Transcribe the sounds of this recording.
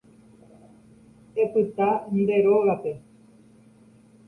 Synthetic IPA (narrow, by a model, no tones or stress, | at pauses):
e̞pɨt̪and̪e̞ɾo̞ɣape̞